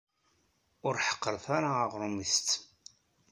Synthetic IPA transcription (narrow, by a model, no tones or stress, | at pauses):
ʊɾħə̥qːəɾθaɾaːʁɾˤumist̪